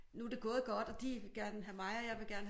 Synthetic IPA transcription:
nud̥e̝ɡ̥ɔːð̩ˠɡ̥ɒ̽d̥ɒ̽d̥iʋe̝ɡ̥æɐnəɦæmɑ̈ɪɒjɑ̈ɪʋe̝ɡ̥æɐn

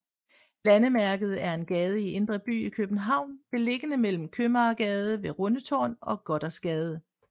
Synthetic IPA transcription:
lænəmæɐɡ̥ð̞̩ˠæɐe̝nɡ̥ɛːð̞ˠəie̝nd̥ʁɐb̥y̰ːikʰøb̥n̩ɦɑ̈ʊ̰nb̥e̝le̝ɡ̥ənəmel̰m̩kʰømɐːɡ̥ɛːð̞ˠəʋe̝ʁɔ̽nət͡sʰɒ̰ːnɒ̽ɡ̥ɒ̽ɾ̥ɐsɡ̥ɛːð̞ˠə

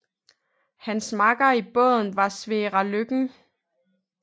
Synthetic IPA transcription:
hænsmɑ̈ɡ̥ɐib̥ɔðˠn̩ʋɑ̈sʋeːʁɑløɡ̥ŋ̩

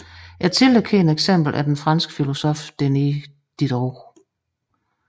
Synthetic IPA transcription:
jɑt͡sʰe̝lekʰeeneɡ̥sem̰b̥l̩ʔæd̥enfʁɑ̈nsɡ̥ə̥filo̝sɔfd̥eni | d̥id̥ɒ

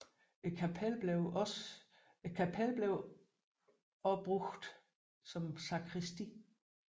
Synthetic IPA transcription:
ekʰæpʰelbeʊs | kʰæpʰelb̥leʊ | ɒ̽b̥ʁuɡ̥d̥ | sɒ̽msɑ̈kʰʁisd̥i

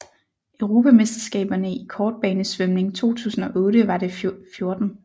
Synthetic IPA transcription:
ʔøʊʁo̝ːpʰæmesd̥ɐsɡ̥ɛ̰ːb̥ɐnəikʰɒːd̥̚b̥ɛːnəsʋømne̝ŋt͡sʰo̝̰ːt͡sʰṵːsn̩ɒ̽ʔɔ̽ːɾəʋɑ̈ɾe̝fjo̝ɐd̥n̩

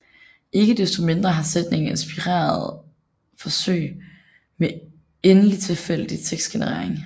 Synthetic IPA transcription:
ʔe̝ɡ̥əd̥esd̥ome̝nd̥ʁɐɦɑ̈sed̥ne̝ŋe̝nsb̥iʁa̰ːɐðˠ | fɒ̽sø̰ɪ̰ | me | enəlit͡sʰe̝lfel̰əd̥it͡sʰeɡ̥sd̥ɡ̥enəʁḛɐ̰eŋ

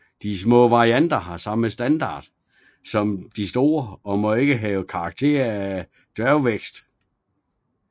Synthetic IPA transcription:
d̥ismɔ̰̽ːʋɑ̈ʁiænd̥ɐɦɑ̈sɑ̈məsd̥ænd̥ɑ̰̈ːd̥ | sɒ̽md̥isd̥o̝ːɐɒ̽mɒ̽e̝ɡ̥əɦɛːʊkʰɑ̈ːɡ̥̚t͡sʰe̝̰ːɐæ | d̥ɶɐʊʋeɡ̥sd̥

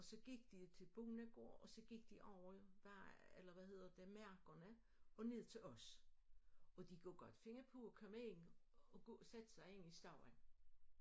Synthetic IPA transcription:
ɒ̽sɒ̽ɡ̥iɡ̥d̥it͡sʰe̝lb̥uːnæɡ̥o̝ɐ̰ɒ̽sɒ̽ɡ̥iɡ̥̚d̥iʔɒʊ̰ɐʋæɐ̰elɐʋæhe̝ð̰ˠɐd̥emæɐ̰ɡ̥ɐnə | ɒ̽ne̝ð̞̰ˠt͡sʰe̝lɒ̽s | ɒ̽d̥iɡ̥ɔ̰ɡ̥ɒ̽d̥fe̝ŋɐpʰoɒkʰɒmenɒ̽ɡ̥ɔːsæd̥ə̥sɑ̈ɪe̝nisd̥ɑ̈ʊ̰en

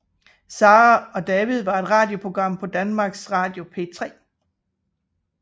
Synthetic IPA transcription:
sɑ̈ːʁɑɒ̽d̥ɛːʋiðˠʋɑ̈e̝d̥ʁɑ̈ːd̥jo̝pʰo̝ɡ̥ʁɑ̈m̰pʰɒ̽d̥ænmɑ̈ːɡ̥sʁɑ̈ːd̥jo̝pʰe̝̰t͡sʰʁɛ̰ː

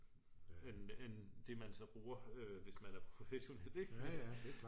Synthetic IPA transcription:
enend̥e̝mænsɒ̽b̥ʁuːɐøʋe̝smænæɐpʰʁoʁo̝feɕo̝nel̰eɡ̥

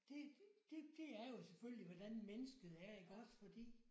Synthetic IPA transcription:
d̥e̝̥d̥e̝d̥e̝æɐjo̝sefølliʋɒd̥ænmenəsɡ̥əð̩ˠæɐiɡ̥ɒsfɒ̽d̥ḭː

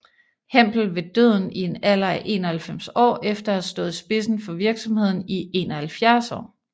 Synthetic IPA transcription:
hem̰b̥l̩ʋe̝d̥øð̰ˠn̩ie̝nælɐæʔe̝̰ːnɒhælfem̰sɒ̰ːefd̥ɐæðsd̥ɔ̽ːð̞̩ˠisb̥e̝sn̩fɒ̽ʋiɐɡ̥sɒ̽mhe̝ð̰ˠn̩ie̝nɒhælfjæɐsɒ̰ː

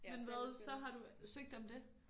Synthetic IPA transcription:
menʋɛðˠsɒ̽ɦɑ̈ɾ̥usøɡ̥̚d̥emd̥e̝

